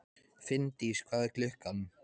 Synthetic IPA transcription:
fɪnt̪ɪiskvaðklʏhkan

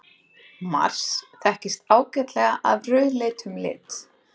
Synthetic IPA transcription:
ma̰r̥sθɛhcɪst̪aːwcɛt̪lɛɣaʔavrœɥðlɪːt̪ʰʏmlɪ̰ːt̪

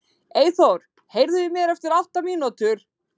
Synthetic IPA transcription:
eːjθowɾ̥ | hejɾðʏvɪmjɛɾɛft̪ɪɾal̥t̪amiːnɔt̪ʏɾ̥

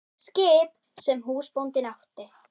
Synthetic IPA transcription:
skeːp | sɛmɦuːspɔnt̪ɪnɑxt̪e

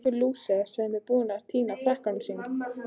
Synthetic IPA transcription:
kɪluːsɛsɛmvɪðpuːðɪnaɾ̥t̪ʰiːnafɾɛhkansiŋk

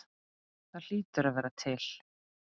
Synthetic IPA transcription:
θaðl̥iːt̪ʏɾaðvɛːɾat̪ʰɪl̥

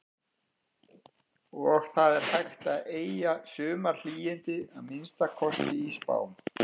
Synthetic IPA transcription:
ɔɣθaðɛɾ̥hajxt̪aðeːjjasʏːmaɾl̥iːjɪnt̪ɪðaðmɪnst̪akʰɔst̪ɪiːspa̰ːwm

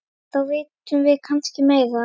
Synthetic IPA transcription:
θawvejt̪ʏmvɪðkʰanscɪmeːjða

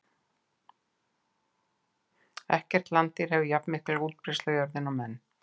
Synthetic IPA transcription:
ɛ̰hcɛr̥t̪lant̪ɪɾ̥hɛvɪjapnmɪhklaɣuːt̪̚pɾɪst̪lœɥjœɾðɪnɔmɛnː

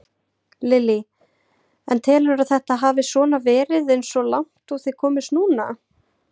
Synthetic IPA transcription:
lɪli | ɛnt̪ʰɛːlɾʏɾaðθɛht̪aɦaːvɪsvɔːnavɛːɾɪðejnsɔlawŋ̥t̪ɔɣθiðkʰɔːmɪst̪nuːna̰

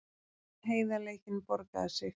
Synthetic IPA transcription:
ɦeːjðaleːjcɪnpɔɾka̰ðsɪ

